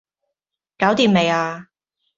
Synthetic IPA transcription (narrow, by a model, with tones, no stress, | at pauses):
kaː˨˥wt̪iː˧mme˨˧jaː˧